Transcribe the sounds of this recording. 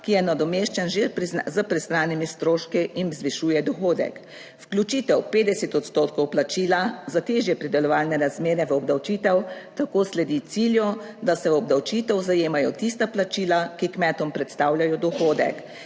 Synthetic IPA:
kijɛnad̪ɔmeʃt͡ʃɛnʒeɾpɾizəpɾɛst̪ɾaːnimist̪ɾoːʃkiʔinzʋiʃuːjɛd̪ɔxoːd̪ɛ̰k | fklʲut͡ʃiːt̪ɛwpeːd̪ɛsɛt̪ɔt̪st̪ot̪kɔwplat͡ʃiːlazat̪eːʒjɛpɾid̪ɛlɔʋaːlnɛɾazmeːɾɛʋəɔbd̪awt͡ʃiːt̪ɛwt̪akoːslɛd̪it̪siːljɔ | d̪asɛɔbd̪awt͡ʃiːt̪ɛwzajeːmajɔt̪ist̪aplat͡ʃiːlakikmɛt̪ɔmpɾɛt̪st̪aːwlʲjajɔd̪ɔxoːd̪ɛ̰k

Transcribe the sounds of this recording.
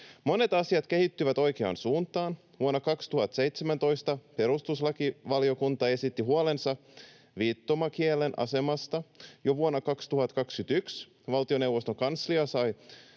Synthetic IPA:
mo̞ne̞t̪ɑsiɑt̪ke̞hit̪ːyʋæt̪o̞jkeɑ̰ːnsuːnt̪ɑːn | ʋuonːɑkɑkst̪uhɑt̪se̞jt̪semænt̪o̞jst̪ɑpe̞ɾust̪uslɑkiʋɑlio̞kunt̪ɑe̞sit̪ːiɦuole̞nsɑ | ʋiːt̪ːomɑkielenʔɑ̰se̞mɑst̪ɑjo̞ʋuonːɑkɑkst̪uhɑt̪kɑkskyt̪yks | ʋɑlt̪io̞ne̞wʋost̪oŋkɑnsliɑsɑj

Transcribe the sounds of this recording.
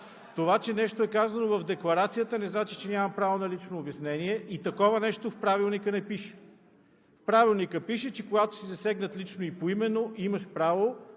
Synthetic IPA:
t̪ovat͡ʃɛnɛʃt̪oɛkazɐnovɐvd̪ɛklˠɐɾat̪sijət̪ənɛznat͡ʃit͡ʃɛnʲamɐpɾavonɐlit͡ʃnoːbjɐsnɛniɛʔit̪ɐkɔvənɛʃt̪ofpɾavilˠnikənɛpiʃɛ̥ | fpɾavilˠnikəpiʃɛt͡ʃɛkoɡat̪o̥sizɐsɛɡnət̪lit͡ʃnoipoimɛnːoʔimɐʃpɾavo

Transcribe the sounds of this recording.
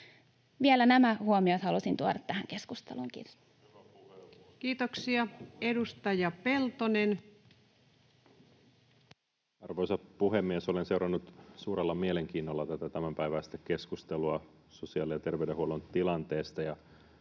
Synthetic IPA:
ʋielænæmæhuomiɑt̪hɑlusint̪uoɾɑt̪ːæhæŋke̞skust̪ḛlṵŋkḭr | kiːt̪oksiɑedust̪ɑjɑpelt̪onen | ɑrʋojsɑpuɦemːiesolense̞uɾɑnːut̪suːɾelːɑmieleŋkiːnːolːɑt̪æt̪æt̪æmæmpæjʋæːst̪ːekke̞skust̪eluɑ | so̞siɑːlijɑt̪e̞rʋeydeɦuolont̪ilɑnt̪e̞ːst̪ɑjɑ

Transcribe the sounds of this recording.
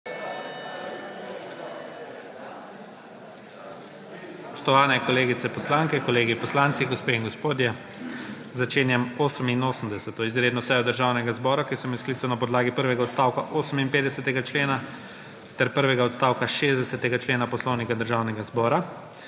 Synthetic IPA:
spɔʃt̪ɔʋaːnɛkɔleːɡit̪sɛpɔslaːŋkɛkɔleːɡipɔslaːnt̪siɡospeːiŋɡospoːd̪jɛ | zat͡ʃeːnjɛmoːsəminoːsəm̩d̪ɛsɛt̪ɔizɾed̪nɔsɛjɔd̪əɾʒaːwnɛɡazbɔːɾakisɔmisklit̪sɐnapɔd̪laːɡipəɾʋɛɡaɔt̪st̪aːwkaʔoːsəminpeːd̪ɛsɛt̪ɛɡat͡ʃleːna | t̪ɛɾpəɾʋɛɡaɔt̪st̪aːwkaʃeːzd̪ɛsɛt̪ɛɡat͡ʃleːnapɔslɔwnikad̪əɾʒaːwnɛɡazbɔːɾa

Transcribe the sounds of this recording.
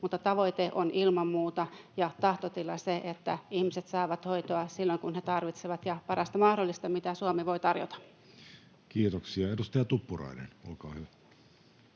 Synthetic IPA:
mut̪ːɑt̪ɑʋoit̪eʔonʔilmɑmːuːt̪ɑjɑt̪ɑht̪ot̪ilːˑɑ̰seʔet̪ːæihmiset̪sɑˑːʋɑt̪hoit̪oɑsilːoŋkunhet̪ɑrʋit̪seʋɑt̪jɑpɑrɑst̪ɑmɑhdolːist̪ɑmit̪æsuomiʋoit̪ɑrjo̰t̪ɑ̥ | kiːt̪oksiɑedust̪ɑjɑt̪upːurɑ̰ˑinḛnolkɑːhyʋæ

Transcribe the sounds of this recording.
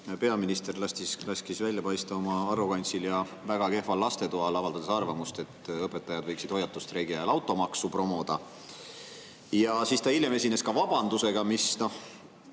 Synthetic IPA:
pe̞ɑminist̪e̞rlɑst̪islɑskisvælʲːjɑpɑjst̪ɑo̞mɑɑɾokɑnʲt̪siljɑ | væɡ̥ɑke̞hvɑlːɑst̪e̞t̪uɑlɑvɑld̪ɑd̪esɑrvɑmust̪e̞t̪ːˑɤpːe̞t̪ːˑɑjɑd̪vɤ̞jksid̪̥o̞jːɑt̪ːˑust̪re̞ɡiɑelɑwt̪ːˑo̞mɑksupro̞mo̞d̪̥ɑ | jɑsist̪ɑiljeme̞sʲine̞skɑvɑb̥ɑnd̪use̞ɡ̥ɑmisno̞h

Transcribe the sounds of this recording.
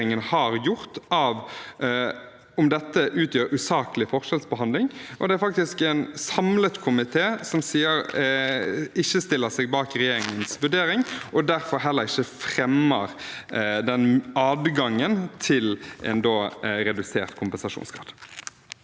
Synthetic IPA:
ɪŋənhɑɾjʊʁt̪ʔɑːʋ | ɔmd̪ɛt̪ːəʔʉːt̪jøːɾʉːsɑːkəlɪfɔʁʂɛlsbəɦɑnd̪lɪŋʔɔ̰d̪ɛæɾfɑk̚t̪ɪskɛɪnsɑmlət̪kʰʊmɪt̪ʰeːsɔmsiːəɾ | ɪçəst̪ɪlːəsɛːɡbɑːkɾɛjeːɾɪŋənsʋʉɖeːɾɪŋʔɔd̪æʁfɔɾɦɛlːəɾɪçəfʁɛmːəɾd̪ɛnɑːd̪ɡɑŋːənt̪ʰɪlʔɛ̰nd̪oːɾɛd̪ʉseːʁt̪kʰʊmpɛnsɑʂṵːnskʰɾɑ̰ːd̪

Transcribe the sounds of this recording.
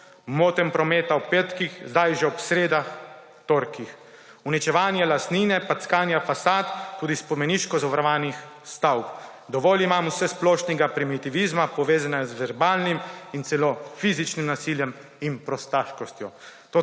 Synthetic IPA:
moːt̪ɛmpɾɔmeːt̪awpet̪kixzd̪ajʒɛɔpsɾeːd̪ax | t̪oɾkix | unit͡ʃɛʋaːnjɛlast̪niːnɛpat̪skaːnjafasaːt̪ːuːd̪ispɔmɛniːʃkɔzɔʋaɾʋaːnix | st̪awp | d̪ɔʋɔːlimaːmwsɛsplɔːʃnɛɡapɾimit̪iʋizmapɔʋeːzanɛɡazʋɛɾbaːlnimint̪sɛlofiːzit͡ʃnimnasiːljɛm | inpɾɔst̪aʃkɔst̪jɔt̪o

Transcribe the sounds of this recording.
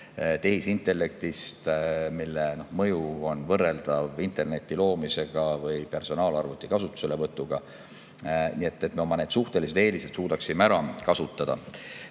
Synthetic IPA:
t̪e̞hisint̪ːˑe̞lːe̞k̚t̪ist̪milːeno̞hmɤjuo̞nvɤrːe̞ld̪̥ɑvint̪e̞rne̞t̪ʲːˑilo̞ːmise̞ɡ̥ɑvɯjpe̞rso̞nɑːlɑrvut̪ːˑikɑsut̪ːˑu̥se̞levɤt̪ːˑuɡ̥ɑ | nie̞t̪ːet̪ːˑme̞o̞mːɑne̞ːd̪suht̪e̞lis̬e̞d̪̥e̞ːlised̪suːd̪ɑksimeæɾɑkɑsut̪ːˑɑd̥̪ɑ̰

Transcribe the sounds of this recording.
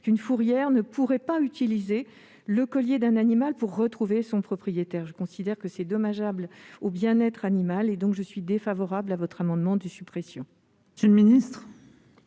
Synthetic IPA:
kynfuʁjɛʁnəpuʁɛpayt̪ilize | ləkɔljed̪ɛ̃nanimalpuʁːət̪χuvesɔ̃pχɔpχijet̪ɛʁʒəkɔ̃sid̪ɛʁkəsɛd̪ɔmaʒablobjɛ̃nɛt̪χanimaled̪ɔ̃kʒəsɥid̪efavɔʁablavɔt̪χamɑ̃d̪mɑ̃d̪əsypχesjɔ̃ | sylminist̪χ

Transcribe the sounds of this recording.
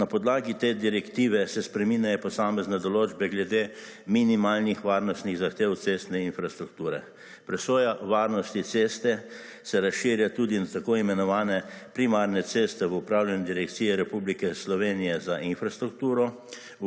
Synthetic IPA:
napɔd̪laːɡit̪eːd̪iɾɛkt̪iːʋɛsɛspɾɛminjajɔpɔsaːmɛznɛd̪ɔloːd͡ʒbɛɡlɛd̪eː | minimaːlnixʋaɾnɔst̪niɣzaxt̪eːwt̪sest̪nɛinfɾast̪ɾuk̚t̪uːɾɛ̰ | pɾɛsɔːjaʋaːɾnɔst̪it̪sest̪ɛ | sɛɾasʃiːɾjat̪uːd̪inat̪akoːimɛnɔʋaːnɛ | pɾimaɾnɛt̪seːst̪ɛʋəupɾaːwljanɛd̪iɾɛkt̪siːjɛɾɛpublikɛslɔʋeːnijɛzaʔinfɾast̪ɾukt̪uːɾɔ

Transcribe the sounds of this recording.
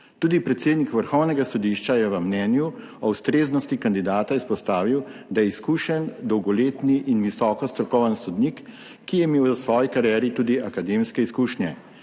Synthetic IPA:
t̪uːd̪ipɾɛt̪seːd̪nikʋəɾxɔwnɛɡasɔd̪iʃt͡ʃajɛʋəmnɛːnju | ɔwst̪ɾeːznɔst̪ikand̪id̪aːt̪aispɔst̪aːʋiwd̪ajɛiskuːʃɛnd̪ɔwɡɔleːt̪niʔinʋisɔːkɔst̪ɾɔkɔwʋənsɔd̪nikː | ijɛmeːwəsʋɔːjikaɾijɛɾit̪uːd̪iʔakad̪eːmskɛiskuːʃnjɛ

